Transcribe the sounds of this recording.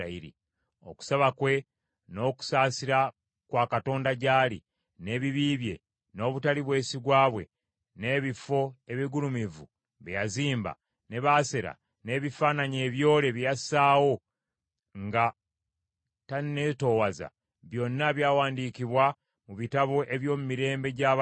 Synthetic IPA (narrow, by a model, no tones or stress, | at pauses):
aiɾḭ | o̞ku̥saβakwe̞ | no̞ːku̥saːsiɾa | kwaːkato̞ːndaɟaːli | ne̞ːβiβiːβje̞̰ | no̞ːβutaliβwe̞ːsiɡwaːβwe̞̰ | ne̞ːβifo̞e̞βiɡulumivu | βejaziːmba̰ | ne̞βase̞ɾa̰ | ne̞ːβifaːnaɲeːβjo̞ːle̞βijasaːwo̞ | ŋɡa | tanneːto̞ːwaza̰ | βjo̞nːaβjaːwaːndikiβwa | muβitaβo̞ʔe̞βjo̞ːmumiɾe̞ːmbe̞ɟa